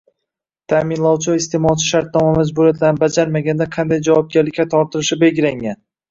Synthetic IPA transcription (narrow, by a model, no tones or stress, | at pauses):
t̪ʰamɪnlˠɒwt͡ʃʰɪɪst̪e̞mɒlˠt͡ʃʰɪ̥ʃaɾt̪̚nɒmamad͡ʒbʊɾijat̪ʰlanɪbad͡ʒaɾmaɡʲand̪aqʰɑnd̪ajd͡ʒavɒb̚ɡʲaɾlɪkʲːat̪ʰɒɾt̪ʰɪɾɪʃɪbe̞ɡʲɪlaŋɡʲan